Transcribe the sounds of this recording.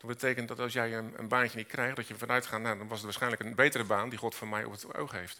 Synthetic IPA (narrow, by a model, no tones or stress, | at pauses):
d̥ɑtbətejkəntdɑtɑlˠsjɛjənə̰nbaːnjənitkrɛjχdɑtjəvɑnœɥtχaːnːadɑnʋɑsətʋaːsχɛjnləkənbejtərəbaːndiχɔtfɔmɛjɔ̰pəto̰wχɦejft